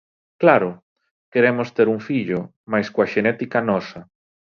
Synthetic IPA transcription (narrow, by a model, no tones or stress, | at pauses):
klaɾʊ | keɾemʊst̪eɾuŋfiʎʊ | majskoaʃenɛt̪ikanɔsɐ